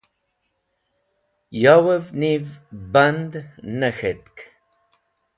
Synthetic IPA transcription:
jɑwəvnivband̪nɐxet̪k

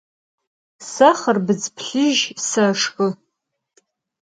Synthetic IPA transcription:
saχərbɨd͡zpʰɬɨʒsaʂkʼɨ

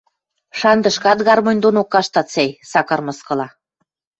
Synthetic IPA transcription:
ʃɑnd̪ə̆ʃkɑt̪ɣɑrmŏnʲd̪onokːɑʃt̪ɑt̪t͡sejsɑkɑrmɤ̆skɤ̆lɑ

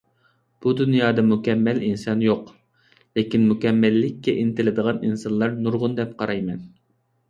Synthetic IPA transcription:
b̥ud̪unjɑːd̪ɑmukʲɛmːælinsɑnjoq | lɪkʲinmukʲɛmːælːɪkʲːɛʔint̪ɪlɪd̪əʁɑninsɑnlˠɑɾnuɾʁʊnd̪ɛp̚qʰɑɾɑjmɛn

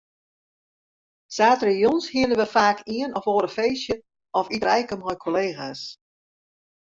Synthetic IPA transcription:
saːtrəjonshiənəʋəfaːkʰiənɔfoːəɾəfeːsjə | ɔfirɛjkəmɔjkʰoleːɣas

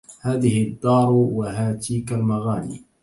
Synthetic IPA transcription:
haːðɪhɪd̪ːɑːɾˤwaɦaːt̪ʰiːkalmaɣaːlḭː

